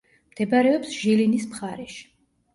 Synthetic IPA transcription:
md̪̥ɛbaɾɛɔpsʒ̥ilinismχaɾɛʃi̥

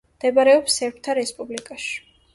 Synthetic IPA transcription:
md̪̥ɛbaɾɛɔpsɛɾp̚ʰt̪ʰaɾɛspʼublikʼaʃi̥

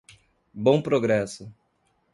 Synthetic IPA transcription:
bõpɾoɡɾɛsʊ

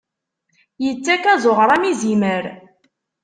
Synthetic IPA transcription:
jət͡sːækæzˤoʁɾˤæmiziməɾ

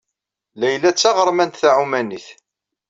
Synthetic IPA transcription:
læjlæt͡sːɑʁəɾˤmænt̪θaʕumæniθ

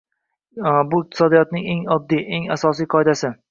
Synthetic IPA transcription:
bʊɪq̚t̪ʰɪ̥sɒd̪ijɒt̪̚nɪŋe̞ŋɒd̪ːijʔe̞ŋasɒsijqʰɒed̪asɪ

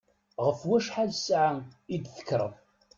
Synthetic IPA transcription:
ʁəfwæʃħaðsʕaid̪θə̥kːɾˤə̰m

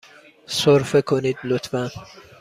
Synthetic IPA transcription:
soɾfekʰoniːd̪lot̪ʰfæn

